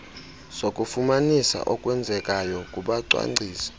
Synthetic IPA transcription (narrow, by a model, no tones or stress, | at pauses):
sokʼufumanisa̰ʔɔkʼwɛnd͡zʱɛkʼajɔkʼuɓaǀwa̰ŋ͡ǀʱiːsi̥